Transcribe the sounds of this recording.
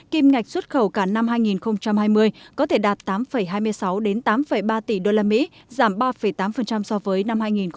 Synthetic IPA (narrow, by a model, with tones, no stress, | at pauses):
ki˧mŋa˨˩jk̟̚swə˦˥t̚xə˧˩wkaː˧˩na˧mɦaː˧jŋi˨˩nxə˧wŋ͡mt͡ɕa˧mhaː˧jmɨ˧əjkɔ˨˦t̪ʰe˧˩ɗaː˨˩t̚t̪aː˨˦mfə˧˩jɦaː˧jmɨ˧əjsa˨˦wɗe˨˦nt̪aː˨˦mfə˨˩jɓaː˧t̪i˧˩ɗo˧laː˧mḭ˧˥ | zaː˧˩mɓaː˧fə˧˩jt̪aː˨˦mfə˨˩nt͡ɕa˧msɔ˧vəː˨˦jna˧mhaː˧jŋi˨˩n